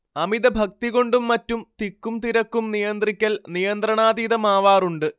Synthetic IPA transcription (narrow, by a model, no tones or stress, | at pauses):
ɐmiðɐbʱɐk̚t̪iɣo̞ɳɖumːɐtːumt̪ikːumt̪iɾɐkːumnijɐnd̪rikʲːɐlnijɐnd̪rɐɳaːd̪iːðɐmaːʋaːruɳɖɨ